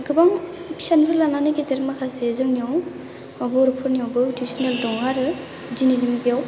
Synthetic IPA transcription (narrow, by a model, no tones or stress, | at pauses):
ɡɯbaŋ | sanpʰɯlananɯɡiteɾmakʰasezɯŋniɔw | abɔɾpʰɯɾniawbɯtisɔneldɔŋaɾɯ | dinidimibijaw